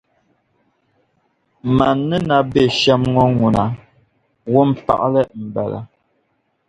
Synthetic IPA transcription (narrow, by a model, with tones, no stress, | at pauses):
ma˨nːə˦na˨be˨ʃɛ˦mŋɔ˦ŋu˨na˨ | wo˦m̩˦pa̰˨ʔlə˦m̩˨bɛ˨la̰˨